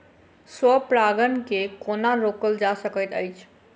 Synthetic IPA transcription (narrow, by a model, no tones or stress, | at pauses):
swəpɾaɡənkekonaɾokəld͡ʒasəkət̪əjt͡ʃʰ